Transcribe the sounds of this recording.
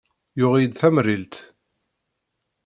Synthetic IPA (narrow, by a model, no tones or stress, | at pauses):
jʊʁid̪θæmrilt̪